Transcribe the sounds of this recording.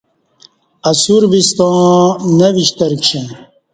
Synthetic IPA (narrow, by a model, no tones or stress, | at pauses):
ɐsuɾbist̪ɑ̃ːnɐviɕt̪ɐɾkɕẽn